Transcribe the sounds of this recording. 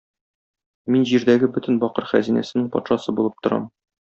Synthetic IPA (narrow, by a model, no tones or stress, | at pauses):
minʑiɾd̪æɡɘbɵ̆t̪ɘnbɒqɤɾχæ̰zinæ̰sɘ̆nɘŋpɒt̪ʃɑsɤbulˠɤp̚t̪ŏɾɑ̰m